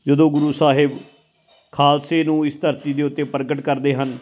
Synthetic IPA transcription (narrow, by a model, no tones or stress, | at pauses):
d͡ʒəd̪õːɡʊɾuːsaːɦɪb | kʰaːlseːnũːɪst̪əɾt̪iːd̪eːʊt̪ːeːpəɾɡəʈkəɾd̪eːɦən